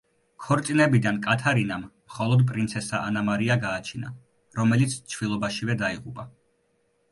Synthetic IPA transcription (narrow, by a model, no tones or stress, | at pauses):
kʰɔɾt̪sʼinɛbid̪ankʼat̪ʰaɾinamːχɔlˠɔd̪pʼɾint̪sʰɛsaa̰namaɾiaɡaːt͡ʃʰina̰ | ɾɔmɛlit̪sʰt͡ʃʰvilˠɔbaʃivɛd̪aiʁupʼa